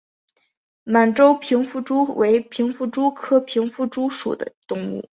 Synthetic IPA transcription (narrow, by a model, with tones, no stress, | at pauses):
ma˨˩nʈ͡ʂo˥ʊpʰi˧˥ŋfu˥˩ʈ͡ʂu˥wʔe˧˥ɪpʰi˧˥ŋfu˥˩ʈ͡ʂu˥kʰɤ˥pʰi˧˥ŋfu˥ʈ͡ʂu˥ʂṵ˨˩d̪ə̰˦t̪ʊ˥˧ŋṵ˥˩